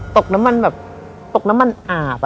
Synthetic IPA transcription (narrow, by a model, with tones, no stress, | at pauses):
t̪o˨˩k̚na˦˥ma˧nbɛː˨˩p̚ | t̪o˨˩k̚na˦˥ma˧nʔaː˨˩p